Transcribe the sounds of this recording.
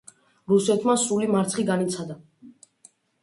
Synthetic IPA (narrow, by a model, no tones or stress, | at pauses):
ɾusɛt̪ʰmasɾulimaɾt̪sʰχiɡanit̪sʰad̪a